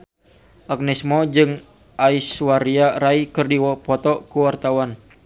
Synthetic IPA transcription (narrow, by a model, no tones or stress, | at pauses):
ʔak̚nɛsmɔd͡ʒɨŋ | ʔaiswaɾiaɾaikɨrdiwɔpɔt̪ɔkuwart̪awan